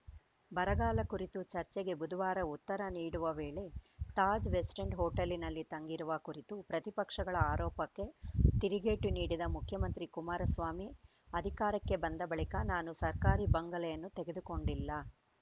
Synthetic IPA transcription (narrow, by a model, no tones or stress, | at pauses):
bɐɾɐɡaːlɐkuɾit̪ut͡ʃɐɾt͡ʃɛɡe̞bud̪uʋaːɾɐut̪ːɐɾɐniːɽuʋɐʋeːɭe̞t̪aːd͡ʒʋesʈeɳɖɦoːʈɐlːinɐlːit̪ɐŋɡiɾuʋɐkuɾit̪upɾɐt̪ipɐkʂɐɡɐɭɐaːɾɔːpɐkːe̞t̪iɾiɡeːʈuniːɽid̪ɐmukʰjɐmɐnt̪ɾikumaːɾɐsʋaːmi | ɐd̪ʱikaːɾɐkːe̞bɐnd̪ɐbɐɭikɐnaːnusɐɾkaːɾibɐŋɡɐlɛjɐnːut̪eɡe̞d̪uko̞ɳɖilːɐ